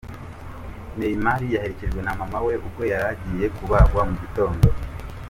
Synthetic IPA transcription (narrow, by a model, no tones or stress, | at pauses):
nejimaɾijahe̞ɾeciɾɡwe̞namamawe̞ʔukɡwo̞jaɾaɟije̞kuβaɡwamuβito̞ːndo